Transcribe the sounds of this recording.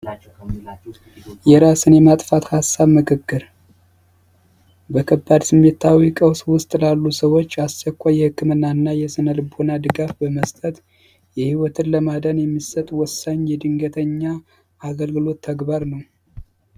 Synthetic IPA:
jɛɾasɨnjɛmat̪ʼfat̪hasːaβmɨkʰɨkːɨɾ | bəkʰəbːad̪sɨmːet̪ʰːawikʼəwswʊst̪ʼlalːusəwo̞t͡ʃːast͡ʃəkʷːajɛhɨkːɨmɨnːaɨnːajɛsɨnəlɨbonad̪ɨɡafbəməst̪ʼət̪ | jɛhiwɔt̪ʰɨnləmad̪ənjɛmːisət̪ʼwɔsːaɲjɛd̪ɨŋɡət̪ʰəɲːa | aɡəlɡɨlo̞t̪ʰːəɡbaɾnəw

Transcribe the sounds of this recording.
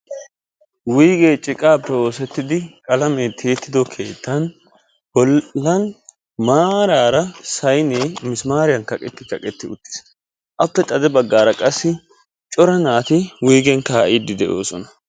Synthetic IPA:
wiːɡeːt͡ʃʼɪkʼaːb̚t̪ɐwo̞ːsɛt̪ːɪd̪ɪkʼɐlɐmet̪ʰe̞ːt̪ːɪd̪ɔkʰe̞̰ːt̪ːɐn | bɔlːɐn | maːɾaːɾɐsɐjnemɪsmaːɾɪjɐnkɐkʼɛt̪ːɪkɐkʼɛt̪ːɪʊt̪ːɪ̥s | ʔɐpːɛt̪ʼɐd̪ɛbɐɡːaːɾɐkʼɐsːɪ | t͡ʃʼɔɾɐnaːt̪ɪwiːɡɛnkaːʔid̪ːɪd̪ɛʔo̞̰ːsɔnɐ

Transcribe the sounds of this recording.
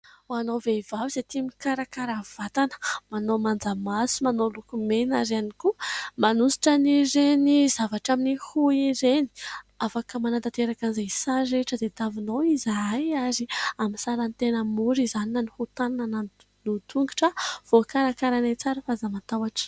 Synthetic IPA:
uanoveivavizet̪imikaɾakaɾav̥at̪anə̥manomand͡zamasumanolukumenaɾanikumanusi̥ʈ͡ʂəniɾenizavaʈ͡ʂaminihuiɾeni̥afakəmanant̪at̪eɾakanzasaɾeʈ͡ʂəd̪et̪avinowizaajaɾiamisaɾant̪enəmuɾizaninanihut̪ananan | nut̪uŋɡi̥ʈ͡ʂəv̥okaɾakaɾanat͡saɾəfazamat̪awaʈ͡ʂ

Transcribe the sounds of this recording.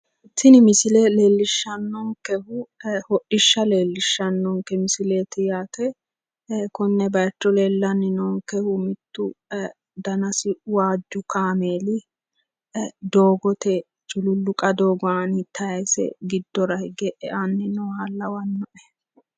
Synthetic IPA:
ɪt̪ːɪnɪmɪsɪlɛleːlːɪʃːɐnːɔŋkɛhʊhɔʔɪʃːɐleːlːɪʃːɐnːɔŋkɛmɪsɪleːt̪ɪjaːt̪ɛ | kʊnːɛbɐjt͡ʃːɔleːlːɐnːɪnɔŋkɛhʊmɪt̪ːʊ | d̪ɐnɐsɪwaːd͡ʒːʊkaːmeːlɪ | d̪oːɡɔt̪ɛ | t͡ʃʼʊlʊlːʊkʼɐd̪oːɡɔanɪt̪ʰːɐjesɛ̰ɡɪd̪ːɔɾɐhɪɡɛʔɛʔanːɪnɔhalːɐwɐnːɔʔɛ̥

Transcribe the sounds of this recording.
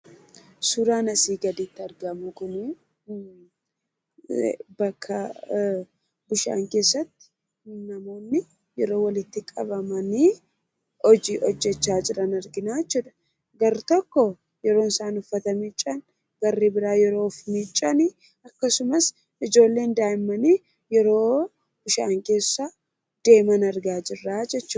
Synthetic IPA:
sʊɾaːnɐsiːɡɐd̪iːt̪ːɪɐɾɡɐmʊkʊni | bɐkʰːɐ | bʊʃa̰ːŋke̞ːsːɐt̪ːɪ̥ | nɐmo̞ːnːɪ | jɛɾo̞ːwɐlɪt̪ːɪkʼɐbɐmɐniː | ɔd͡ʒiʔɔd͡ʒːɛt͡ʃːaːd͡ʒʼɪɾɐnɐɾɡɪnaːt͡ʃːʊd̪ɐ̥ | ɡɐɾt̪ɔkːɔ | jɛɾo̞ːnsaːnʊfːɐt̪ɐmiːt͡ʃʼɐn | ɡɐrːiːbɪɾaːjɛɾo̞ːfmiːt͡ʃʼːɐni | ɐkːɐsʊmɐs | ɪd͡ʒo̞ːlːe̞ːnd̪aːjɪmːɐniː | jɛɾo̞ː | b̥ʊʃa̰ːŋke̞ːsːɐ | d̪̥e̞ːmɐnɐɾɡaːd͡ʒɪrːaːd͡ʒɛt͡ʃːʊ

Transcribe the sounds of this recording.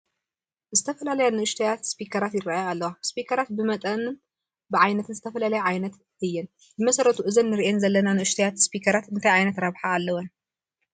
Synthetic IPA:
zɨt̪ʰɐfɐlalɐjanɨʔɨʃt̪ʰɐjat̪spikʰɐɾat̪jɪɾaʔjaːlːɐwaspikʰɐɾat̪̚bɨmɐt̪ʼɐnɨn | bɨʕajnɐt̪ʰɨnzɨt̪ʰɐfɐlalɐjʕajnɐt̪ | ɨjːɛn | bɨmɐsɐɾɐt̪ʰuʔɨzɐnːɨɾiʔenzɐlːɐnanɨʔɨʃt̪ʰɐjat̪spikʰɐɾat̪ɨnt̪ʰajʕajnɐt̪ɾaβħaːlːɐwɐn

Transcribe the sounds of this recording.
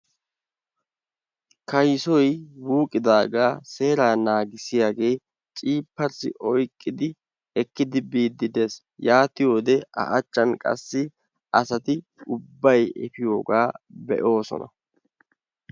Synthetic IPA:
kɐjsɔjwuːkʼːɪd̪aːɡaːse̞ːɾaːnaːɡɪsɪjaːɡe̞ː | t͡ʃʼiːpːɐɾsɪ̰ʔɔjkʼːɪd̪ɪ | ɛkːɪd̪ɪbiːd̪ːɪd̪e̞ːs | jaːt̪ɪjo̞ːd̪ɛɐ̰ʔɐt͡ʃːɐnkʼɐ̰sːɪ | ʔɐsɐt̪ɪ | ʊbːɐjɛ̰fɪjo̞ːɡaːbɛ̰ʔo̞ːsɔ̰nɐ̰

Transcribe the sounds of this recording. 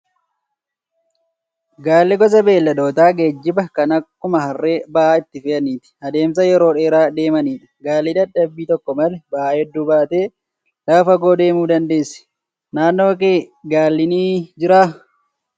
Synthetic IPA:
ɡaːlːɪɡɔs̬ɐbe̞ːlːɐd̪o̞ːt̪aːɡed͡ʒːɪbɐkɐnɐkːʊmɐɦɐrːe̞ːbɐʔaːɪt̪ːɪfɪʔɐniːt̪ɪ̥ɐd̪e̞ːms̬ɐjɛɾo̞ːᶑe̞ːɾaːd̪e̞ːmɐniːᶑɐ̥ɡaːlːiᶑ̪ɐdːɐbːiːt̪ɔkːɔmɐlɛbɐʔaːhɛd̪ːuːbaːt̪e̞ː | lɐːfɐɡo̞ːd̪e̞ːmuːd̪ɐnd̪e̞ːsːɛ̥ | naːnːo̞ːkeːɡaːlːɪniːd͡ʒɪɾaː

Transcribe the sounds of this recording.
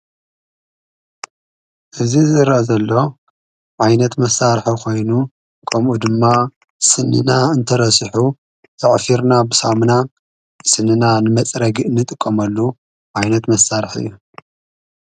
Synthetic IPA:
ʔɨzizɨɾʔɐzɐlːo̞ | ʕajnɐt̪mɐsːaɾħukʰo̞jnu | kʰɐmʔud̪ɨmːa | sɨnːɨ̰naɨnt̪ʰɐɾɐsɨħu | t̪ʰɐʕfiɾnabɨsamna | sɨnːɨnanɨmɐt͡sʼɾɐɡiʔɨnːɨt̪ʼɨkʼːɐmɐlːu | ʕajnɐt̪mɐsːaɾħɨ̰jːu

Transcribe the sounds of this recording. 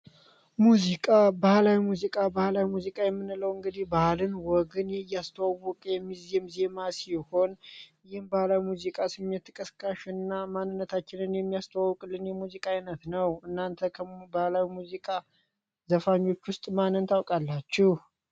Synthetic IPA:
muzikʼabahlawimuzikʼabahlawimuzikʼajɛmːɨnɨləwɨŋɡɨd̪ihbalɨnwɔɡɨnjast̪ʰəwawːɔkʼjɛmːizemzemasiho̞n | jɪhmbahlawimuzikʼasɨmːet̪ʰːɨkʼəskʼaʃɨnːamanːɨnːət̪ʰat͡ʃːɪnɨnjɛmːijast̪ʰəwawɔkʼɨlːɨnjɛmuzikʼainət̪nəwɨnːant̪ʰəkʰəbahlawimuzikʼa | zəfaɲːo̞t͡ʃːwʊst̪ʼmanːɨnt̪ʰawkʼalːat͡ʃːɪh

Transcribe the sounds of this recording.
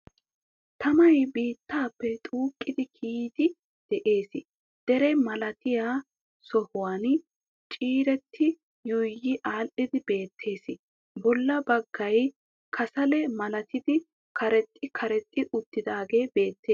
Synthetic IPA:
t̪ɐmɐjbiːt̪ːaːpːɛt̪ʼuːkʼːɪd̪ɪkʰiːd̪ɪ | d̪̥ɛʔe̞ːsɪ | d̪̥ɛɾɛmɐlɐt̪ɪjaː | sɔhʊwaːn | t͡ʃʼiːɾɛt̪ʰːɪ | jɔjjɪʔaːlʔɪd̪ɪbe̞ːt̪ʰːe̞ːsɪ | bɔlːɐbɐɡːɐj | kʰɐsɐlɛmɐlɐt̪ɪd̪ɪ | kʰɐɾɛt̪ʼːɪkʰɐɾɛt̪ʼːɪʔʊt̪ːɪd̪aːɡe̞ːbe̞ːt̪ʰːeː

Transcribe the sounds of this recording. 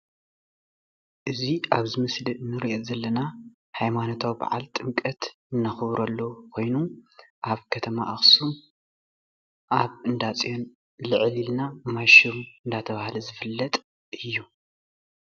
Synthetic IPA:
ʔɨziʔaβzɨmɨslinːɨɾiʔɛt̪ʼzɐlːɐna | hajmanot̪ʰawiba̰ʕa̰lt̪ʼɨmkʼɐt̪ | ɨnːaxɨβɾɐlːokʰo̞jnuʔaβkʰɐt̪ʰɐma̰ʔaxsum | ʔaβɨnd̪at͡sʼijo̞n | lɨʕlilnamaʃiumɨnd̪at̪ʰɐβahlɐzɨfɨlːɐt̪ʼ | ɨjːu

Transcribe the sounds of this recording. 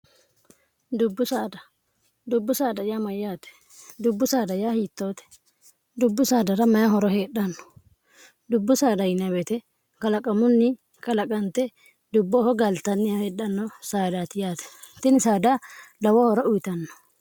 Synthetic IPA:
d̪ʊbːʊsaːd̪ɐ | d̪ʊbːʊsaːd̪ɐjaːmɐjːaːt̪ɛ̥ | d̪ʊbːʊsaːd̪ɐjaːhiːt̪ːo̞ːt̪ɛ̥ | d̪ʊbːʊsaːd̪ɐɾɐmɐjaɦɔɾɔɦeːɗɐnːɔ̥ | d̪ʊbːʊsaːd̪ɐjɪnɐbɛt̪ɛ | kɐlɐkʼɐmʊnːɪ | kɐlɐkʼɐnt̪ɛ | d̪ʊbːɔhɔɡɐlt̪ɐnːɪjɐhɛɗːɐnːɔsaːd̪aːt̪ɪjaːt̪ɛ̥t̪ɪnɪsaːd̪alɐwɔhɔɾɔʔʊjt̪ɐnːɔ̥

